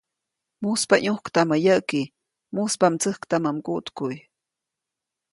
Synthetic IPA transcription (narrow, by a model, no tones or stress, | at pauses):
muspaɲuhkt̪aməjəʔki | muspamt͡səhkt̪aməmkuʔt̪kuj